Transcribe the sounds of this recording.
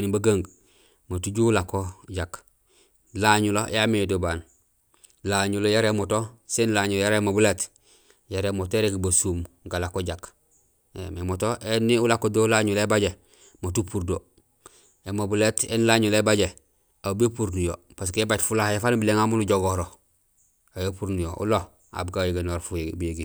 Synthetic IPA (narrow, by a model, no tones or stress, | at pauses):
nibaɡaːŋɡ | matuɟulakoɟak | laɲulojamijodobaːn | laɲulojaɾemotosenlaːɲuljaɾeemobuleːt | jaɾemotoeɾekbasumŋɡalakoɟak | ememotoʔeniulakːodolaɲulebaɟe | motupuɾdo | emobuletḛnlaɲulebaɟe | abepuɾnujo | pas̬kebatfulahjefaːnbileŋamunuɟoɡoɾo | ajopuɾnujoʔṵlo | a̰bɡajeɡenoɾfubujeɡi